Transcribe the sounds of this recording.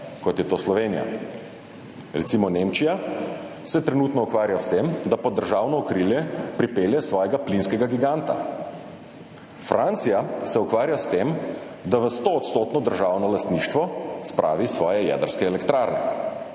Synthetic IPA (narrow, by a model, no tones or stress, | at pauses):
kɔt̪jɛt̪oːslɔʋeːnija̰ | ɾɛt̪simɔnemt͡ʃija | sɛt̪ɾɛnuːt̪nɔukʋaːɾjast̪emd̪apɔd̪ːəɾʒaːwnɔːkɾiljɛpɾipeːljɛsʋɔːjɛɡaplinskɛɡaɡiɡant̪a̰ | fɾʔant̪sijasɛukʋaːɾjast̪em | d̪aʋəst̪oːt̪st̪oːt̪nɔd̪əɾʒaːwnɔlast̪niːʃt̪ʋɔspɾʔa̰ːʋisʋɔːjɛjɛ̰d̪əɾskɛːlɛkt̪ɾaːɾnɛ̰